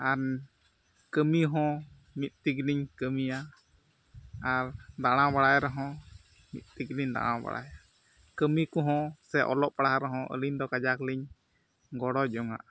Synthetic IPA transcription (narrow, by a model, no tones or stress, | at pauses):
an | kəmiɦɔ̃ | mit̪̚t̪ikliɲkəmija | ɾd̪aɽ̃ãbaɽajɾɛɦɔ̃ | mḭt̪̚t̪ikliɲd̪a̰ɽ̃ã̰ba̰ɽa̰ja | kəmikɔɦɔ̃sɛʔɔ̰lɔʔpaɽaɦaɾɛɦɔ̃ʔə̰liɲd̪ɔkad͡ʒakliɲ | ɡɔɽɔd͡ʒɔŋa̰ʔ